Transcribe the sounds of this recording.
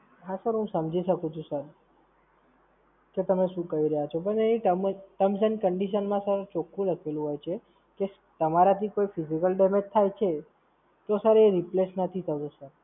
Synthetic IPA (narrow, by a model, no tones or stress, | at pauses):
ɦasəɾɦũsəmd͡ʒʱiʃəkũt͡ʃʰũsəɾ | ket̪əmeʃũkəiɾəɦat͡ʃʰopəɳeniʈəmʈəmsənkəɳɖiʃənmãsəɾet͡ʃokʰːũləkʰelũɦojt͡ʃʰe | ke | t̪əmaɾat̪ʰikoifizikəlɖemed͡ʒt̪ʰajt͡ʃʰe | t̪osəɾeeɾiplesnət̪ʰit̪ʰəɡũsəɾ